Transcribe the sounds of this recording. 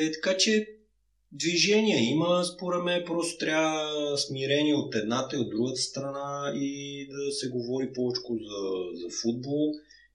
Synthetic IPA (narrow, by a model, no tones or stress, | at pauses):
t̪ɐ̥kat͡ʃɛ | d̪viʒɛnʲiəiməspoɾɛd̪mɛnpɾɔst̪o̥t̪ɾʲaəsmiɾɛniɛot̪ɛd̪nat̪əiod̪ːɾuɡət̪ə̥st̪ɾɐnaid̪ɐsɛɡovɔɾipɔvɛt͡ʃkʊzɐzɐfud̪̚bɔlˠ